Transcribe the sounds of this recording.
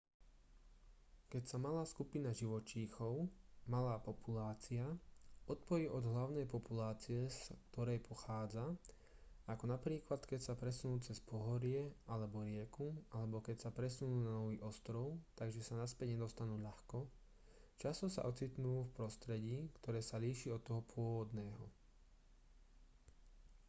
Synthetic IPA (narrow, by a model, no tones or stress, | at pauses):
kɛcsamalaːskupinaʒiʋɔt͡ʃiːxɔʊmalaːpɔpulaːt͡siaɔt̪̚pɔjiʔɔd̪ɦlaʊnɛjpɔpulaːt͡siɛskt̪ɔɾɛjpʰɔxaːd͡za | akɔnapɾiːklat̪kɛcsapɾɛsunuːt͡sɛspɔɦɔɾɪɛalɛbɔɾɪɛkualɛbɔkɛcsapɾɛsunuːnanɔʋiːʔɔst̪ɾɔʊt̪aɡʒɛsanaspɛɟɲɛd̪ɔst̪anuːʎaxkɔ | t͡ʃast̪ɔsa̰ʔɔt͡sit̪nuːfpɾɔst̪ɾɛɟiːkt̪ɔɾɛːsaliːʃiːɔt̪ːɔɦɔpʰʊɔʋɔd̪nɛːɦɔ̰